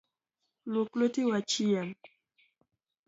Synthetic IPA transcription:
loklotiwat͡ʃijam

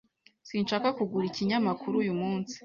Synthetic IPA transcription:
sinʃaːkakuɡuɾiciɲamakʰuɾujumuːnsi̥

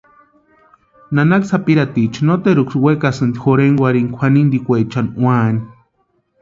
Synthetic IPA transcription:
nanaksapiɾat̪it͡ʃʰnot̪eɾukʷswekasɨnd̪ixoɾeŋwʷaɾiŋkʷʰanind̪ikʷet͡ʃanwani

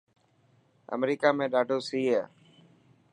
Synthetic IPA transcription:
ə̰mɾiːkaːmẽːɗaːɖʱoːsiːɦaː

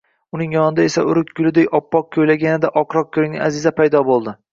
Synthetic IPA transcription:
ʊnɪŋjɒnɪd̪ae̞saʊɾɪkʲɡʲʊlɪd̪ekʲɒpːɒq̚kʲʰɵjlaɡʲanɪd̪aʔɒqɾɒq̚kʲʰɵɾɪŋɪ̰ʔazɪzapʰajd̪ɒbolˠd̪ɪ

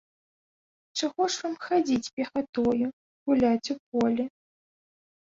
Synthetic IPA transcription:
t͡ʂaɣɔʂvamxad͡zʲit͡sʲpʲɛxat̪ɔju | ɣulʲat͡sʲup̚ɔlʲɛ

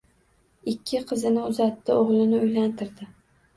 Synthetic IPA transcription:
ɪkʲʰːɪqʰɨzɪnɪʊzat̪ʰːɪoʁlˠɪnɪʊjlant̪ʰɪɾd̪ɪ

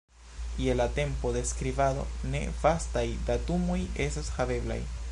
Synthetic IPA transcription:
jelate̞mpo̞de̞skɾivado̞̰ne̞̰vastajdatumo̞je̞stashave̞bla̰j

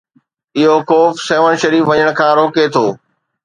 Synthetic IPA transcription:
ɪɦokɔːfseːʋəɽ̃ʃɐɾiːfʋɐɲəɽ̃̆kʰãːɾoːket̪ʰoː

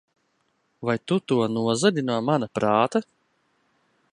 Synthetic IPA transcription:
vajt̪ut̪uɔnuɔzad̪ʲinuɔmanapɾaːt̪a

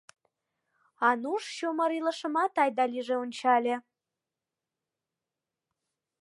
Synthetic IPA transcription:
ɑnuʃɕoməɾilə̆ʃə̆mɑt̪ɑjd̪ɑlʲiʒeonʲt͡ɕɑlʲe

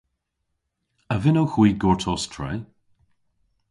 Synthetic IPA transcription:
əvɪnowxwiːɡɔɹtʰɔstʰɹɛ̰j

